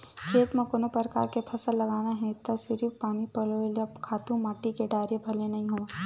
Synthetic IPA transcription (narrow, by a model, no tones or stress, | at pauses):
kʰeːt̪mẽkoːnopəɾka̰ːɾkepʰɐsəlːɐɡaːnaɦɛ̃t̪ɐsɪɾipaːnipɐloelɐbkʰaːt̪ũmaːʈikeɖaːɾjebʱɐlenɐɦĩɦoãː